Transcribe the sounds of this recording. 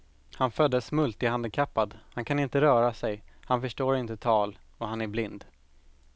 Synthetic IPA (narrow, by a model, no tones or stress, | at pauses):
hanfœd̪ːəsmɵlt̪ɪhand̪əkʰapːad̪hankʰanɪnt̪əɾœːɾasɛjhanfœʂʈoːɾɪnt̪ət̪ʰɑːlɔhanæɾblɪnd̪